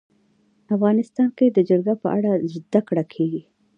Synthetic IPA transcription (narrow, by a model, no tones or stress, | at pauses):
afɣɑnɪst̪ɑnked̪əd͡ʒaɾɡapəʔaɽazd̪akɽakʰeɡi